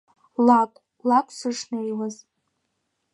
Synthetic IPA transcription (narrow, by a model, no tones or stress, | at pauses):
lakʷʼ | lakʷʼʰsɨʂnajwaz